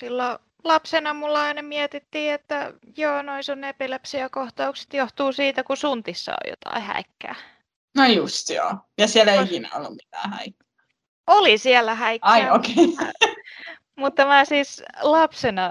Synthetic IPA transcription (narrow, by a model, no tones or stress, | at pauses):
silːo | lɑpsenɑmulːɑinemiɛt̪it̪ːiːet̪ːæjoːnoisunepilɑpsiækoht̪ɑukse̥t̪joht̪uːsiːt̪ækusunt̪isːɑ̰o̰jo̰t̪ɑ̰ihæ̰ikːæ̰ː | nojust̪jo̰ː | jɑsiɛleikinæ̰o̰lːummit̪æ̰ːhæ̰ikːɑ | olisiɛlːæhæikɑiokeḭ | mut̪ːɑmæːsiːslɑpsenɑ